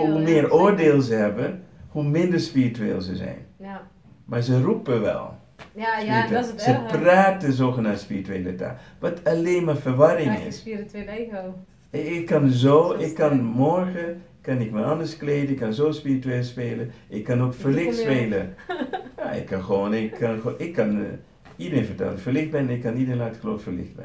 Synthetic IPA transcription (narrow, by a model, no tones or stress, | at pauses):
ɦumɪːɾoːrdeːlˠzəɦɛbənhumɪndəɹspiɹityḛːlˠzəzɛ̰jn | maːɹzərupəʋɛ̰lˠ | spiitzəppraːtəzoːxənaspirityḛːləta̰ːʋɑtʰaleːnmaːɹfərʋɑɾɪŋɪ̰s | ɪkːɑnzoːɪkːɑnmɔrxə | kɑnɪkmaɑndəɹskleːdəɪkːɑnzoːspiːrityeːlˠspeːləʔɪkːɑnokfərlɪxtsspeːlə | ja̰ɪ̰kːɑnxʋoːnɪkʰːɑnxoʔɪkːɑn | idəɾeːnfətɛ̰lɪfəɹlɪxt̚bɛnɪkːɑnidəɾenatxəlo̰ːffəlɪ̰xt̚bɛ̰